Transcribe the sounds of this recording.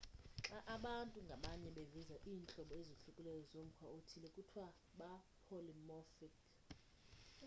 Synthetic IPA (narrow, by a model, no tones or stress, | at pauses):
ǁaʔaɓantʼuŋɡʱaɓaɲɛɓevizaʔiːnt͡ɬʼɔɓɔeziɬukʼulɛjɔzom̩kʰwaotʰilɛkʼutʰwa | ɓa | pʰolimɔfik